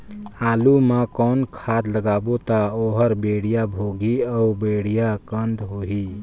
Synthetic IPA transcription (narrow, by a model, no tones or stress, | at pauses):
aːlumãkɔːnkʰaːd̪ləɡaːbot̪aoɦəɾbeɽijabʱoɡiɔubeɽijakənd̪ɦoɦi